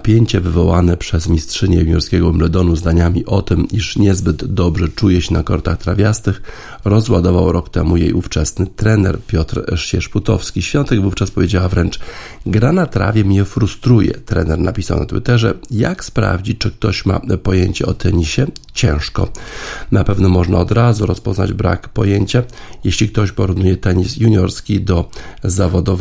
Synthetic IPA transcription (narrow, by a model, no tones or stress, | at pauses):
pʲjeɲt͡ɕɛvɘvɔwanɛpʂɛzmʲistʂɘɲɛmʲjɔɾskʲɛɡɔmlɛd̪ɔnuzd̪aɲamʲiʔɔt̪ɘmiʂɲɛzbɘd̪ːɔbʐɛt͡ʂujɛɕɛnakɔɾt̪axt̪ɾavʲjast̪ɘx | ɾɔzwad̪ɔvawɾɔkt̪ɛmujḛjʔuft͡ʂɛsnɘt̪ɾɛnɛ̰ɾpʲjɔt̪ɾʂɕɛʂput̪ɔfskʲiɕfʲjɔnt̪ɛɡvuft͡ʂaspɔvʲjed͡ʑawavɾɛnt͡ʂ | ɡɾanat̪ɾa̰vʲjɛmɲɛfɾust̪ɾujɛ̰t̪ɾɛ̰nɛɾnapʲisa̰wna̰t̪wɘt̪ɛʐɛja̰kspɾa̰vd͡ʑit͡ɕt͡ʂɘk̚t̪ɔɕma̰pɔjeɲt͡ɕɛɔt̪ɛɲiɕɛt͡ɕɛ̰̃w̃ʂkɔ̰napɛvnɔmɔʐna̰ɔd̪ɾazuɾɔspɔzna̰d͡ʑbɾa̰kpɔjeɲt͡ɕajeɕlʲik̚t̪ɔɕpɔɾuvnujɛt̪ɛɲisjuɲɔɾskʲid̪ɔzavɔd̪ɔv